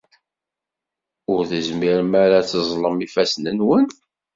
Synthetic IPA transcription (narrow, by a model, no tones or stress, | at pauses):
ʊɾθəzmiɾmaɾat͡sːəzˤləmifæsnənwən